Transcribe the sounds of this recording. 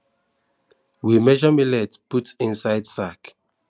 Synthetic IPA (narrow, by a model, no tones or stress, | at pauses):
wimɛʒɔmilɛtputĩnsaɪdsak